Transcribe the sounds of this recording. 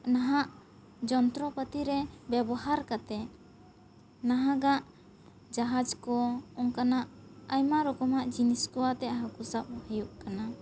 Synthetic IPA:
naɦaʔ | d͡ʒɔnt̪ɾɔpət̪iɾɛbɛbɔɦaɾkat̪ɛ | naɦaɡaʔ | d͡ʒaɦad͡ʒkɔɔŋkanaʔajmaɾɔkɔmaʔd͡ʒiniskɔwat̪ɛʔɦakusap̚hɛjuʔkana

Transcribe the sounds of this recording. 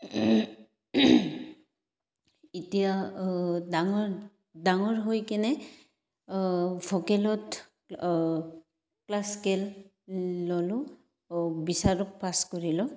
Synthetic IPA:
itija | daŋɔ | daŋɔɹɦojkɛnɛ | vʱɔkɛlɔt | klaskɛlː | olʊ | bisaɹɔk̚paskɔɹilɔ

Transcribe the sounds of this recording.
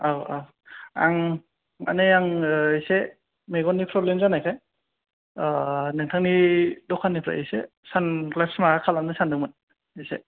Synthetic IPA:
awaw | a̰ŋ | a̰nejaŋise | meɡɔnːipʰɾɔblemzanajkʰaj | neŋtʰaŋnidɔkʰːanipʰɾa̰ʔḛse | sanɡlapsmaakʰalamnɯsandɯŋmɯn | ese

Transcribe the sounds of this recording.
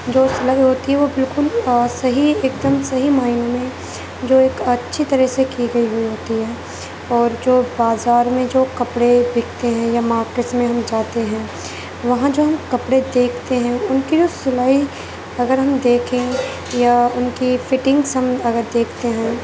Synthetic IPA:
d͡ʒoːsʊlaːiɦoːt̪iɦɛʋobɪlkʊlsɐɦieːkd̪əmsɐɦimaːɪnmẽ | d͡ʒoːeːkɐtːʃʰit̪ɐɾəɦsekiɡɐiɦʊiɦoːt̪iɦɛː | ɔːɾd͡ʒoːbaːzaːɾmẽd͡ʒoːkɐpɽebɪkʰt̪eɦɛ̃jamaːɾkɪʈsmẽɦɐmd͡ʒaːt̪eɦɛ̃ː | ʋɐɦãd͡ʒoːɦɐmkɐpɽed̪eːkʰt̪eɦɛ̃ʊnkid͡ʒoːsʊlaːi | ɐɡəɾɦɐmd̪eːkʰẽ | jaʊnkifɪʈɪ̃ŋɡsɦɐmɐɡəɾd̪eːkʰt̪eɦɛ̃ː

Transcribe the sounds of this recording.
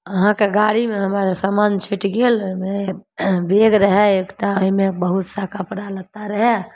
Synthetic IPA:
əɦãkeɡaɽimeɦəmaɾsamant͡ʃʰiʈɡeloime | beɡɾəɦɛekʈaəimebəɦut̪sakʰapəɾaləɡ̚t̪aɾəɦɛ

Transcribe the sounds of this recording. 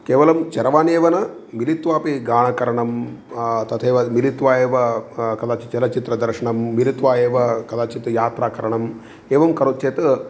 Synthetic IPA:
keːʋɐlɐmt͡ʃɐɾɐʋaːneːʋɐnɐ | milit̪ʋaːpiɡaːɳɐkɐɾɐɳɐm | t̪ɐt̪ʰeːʋɐmilit̪ʋaːjeːʋɐkɐlaːt͡ʃit͡ʃɐlɐt͡ʃit̪ɾɐd̪ɐɾʂɐɳɐmːilit̪ʋaːjeːʋɐkɐd̪aːt͡ʃit̪jaːt̪ɾaːkɐɾɐɳɐm | eːʋɐmkɐɾut̪ʰːeːt̪ɨ

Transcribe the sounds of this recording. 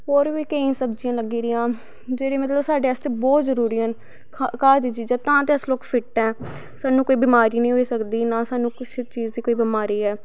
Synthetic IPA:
ɦoːɾʋiːkəĩːsəbd͡ʒɪjãːləɡiːd̪ɪjãː | d͡ʒeːɽĩːmət̪ləbsaːɖeːəst̪eːbɔːt̪zəɾuːɾiːɦənʰ | kaːd̪iːd͡ʒiːd͡ʒaːt̪ãːt̪eːəsloːkpʰɪʈːɛ̃ː | saːnũːkoːiːbɪmaːɾiːnəĩːɦoiːsəkd̪iːnaːsaːnũːkɪst͡ʃiːd͡ʒd̪iːkoːiːbɪmaːɾiːɛː

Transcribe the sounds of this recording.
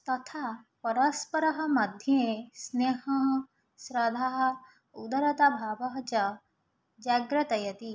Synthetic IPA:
t̪ɐt̪ʰapɐɾɐspɐɾɐɦɐ̆mɐd̪ʱjesneːɦɐɦ | sɾɐd̪ʱaɦɐ | ud̪ɐɾɐt̪abʱaːbɐɦɐt͡ʃɐ | d͡ʒaɡɾɐt̪ɐjɐt̪i

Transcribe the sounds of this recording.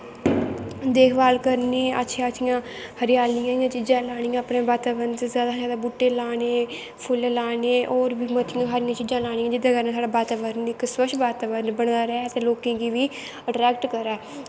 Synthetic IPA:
d̪eːkʰbaːlkəɾneːə̰tːʃʰiaətʰijãː | həɾɪjaːlɪjãːɪjãːt͡ʃiːd͡ʒãːlaːɽ̃ijãːpɽẽːbaːt̪aːʋənszjaːd̪aːzjaːd̪aːbʊʈːeːlaːneː | pʰʊllaːneːʔoːɾbiːmət̪ʰɪjãːɦaːɾɪjãːt͡ʃiːd͡ʒãːlaːɽ̃ijãːd͡ʒɪd̪ãːkəɾnãːsaːɽaːbaːt̪aːʋəɾnɪksəʃbaːt̪aːʋəɾnbəɽd̪aːɾɛːt̪ẽːloːkẽːɡiːʋiː | əʈɾɛːkʈkəɾaː

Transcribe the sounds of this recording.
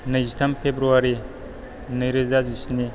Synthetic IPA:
nɐjzitʰɐmpʰebɾuaɾi | nɐjɾizazisni

